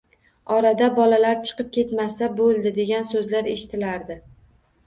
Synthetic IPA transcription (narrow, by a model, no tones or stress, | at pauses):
ɒɾad̪abɒlalaɾt͡ʃʰɨ̥qɨp̚kʲʰe̞t̪masabolˠd̪ɪd̪eɡʲansɵzlaɾeʃɪ̥t̪ʰɪlaɾd̪ɪ